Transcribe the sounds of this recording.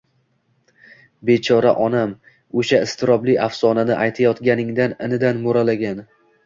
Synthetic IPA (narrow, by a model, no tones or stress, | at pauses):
be̞t͡ʃʰɒɾaʔɒnam | oʃaɪst̪ʰɪɾɒblɪʔafsɒnanɪʔajt̪ʰajɒt̪ɡʲanɪŋd̪anɪnɪd̪anmoɾalaɡʲan